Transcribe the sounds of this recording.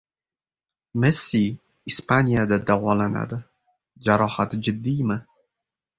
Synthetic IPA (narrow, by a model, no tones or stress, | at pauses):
mɛsːi | ispanʲijad̪ad̪awɒlana̰d̪ɪ | d͡ʒaɾɒhat̪d͡ʒɪd̪ːijmɨ